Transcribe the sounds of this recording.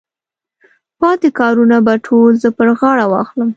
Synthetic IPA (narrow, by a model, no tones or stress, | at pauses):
pɑt̪ekɑɾunabaʈʰolzəpəɾɣɑɽawɑ̰xləm